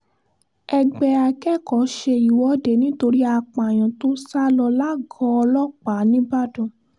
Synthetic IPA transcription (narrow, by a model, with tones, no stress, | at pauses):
ɛ˧ɡ͡bɛ˧a˧kɛ˦˨kɔ˨˦ʃe˧i˨wɔ˨˦de˨˦nĩ˦to˧ɾi˦a˧k͡pa˨j̃ɔ̃˨to˦sa˦lɔ˧la˦ɡɔ˧˦ɔ˧lɔ˦k͡pa˨˦nĩ˦ba˦˨dũ˨